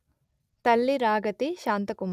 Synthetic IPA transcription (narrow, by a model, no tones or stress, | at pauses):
t̪ɐlːiɾaːɡɐt̪iʃaːnt̪ɐkum